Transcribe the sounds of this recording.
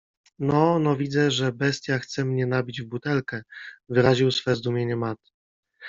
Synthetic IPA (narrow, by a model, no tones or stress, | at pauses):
nɔnɔvʲid̪zɛʐɛbɛst̪ʲjaxt̪sɛmɲɛnabʲid͡ʑvbut̪ɛlkɛvɘɾaʑiwsfɛzd̪umʲjeɲɛmat̪